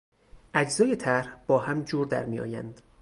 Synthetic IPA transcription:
ʔæd͡ʒzɒːje̞t̪ʰæɾhb̥ɒːhæmd͡ʒuːɾd̪æ̰ɾmijɒ̰ːjæ̰nd̪̥

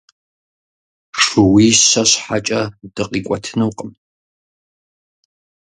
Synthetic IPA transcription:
ʂɨwiːɕɐɕħat͡ʃʼɐd̥ɨqʼiːkʷʼɔtʰɨnɨwqʼəm

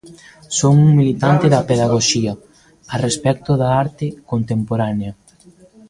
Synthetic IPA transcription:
soŋuŋmilit̪ant̪ɪðɐpeðaɣoʃiɐ | arespɛk̚t̪ʊðaaɾt̪ɪkont̪empoɾaneɐ

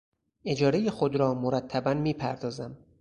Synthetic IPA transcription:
e̞d͡ʒɒːɾe̞jexod̪ɾɒːmoɾæt̪ʰːæbænmiːpʰæɾd̪ɒːzæm

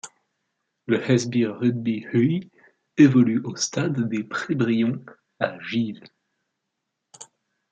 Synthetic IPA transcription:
ləhɛzbiːud̪̚bihy | evɔlyʔost̪ad̪ːepχebʁijɔ̃ | aʒil

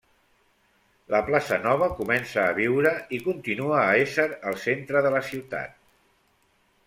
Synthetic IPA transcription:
ləplasənɔβ̞əkumɛnsəːβiwɾəikunt̪inuəːesəɾəlˠsent̪ɾəðələsiwt̪a̰t̪̚

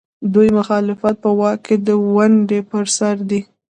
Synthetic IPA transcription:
d̪ujmʊxɑlɪfat̪̚pəwɑkːed̪əwaɳɖepəɾsaɾd̪i

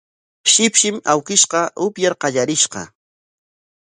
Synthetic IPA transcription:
ʃɪpʃɪmawkɪʃqɑʔʊpjaɾqɑʎaɾɪʃqɑ̰

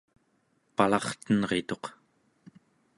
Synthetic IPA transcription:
palɑχt̪ənʁe̞t̪o̞q

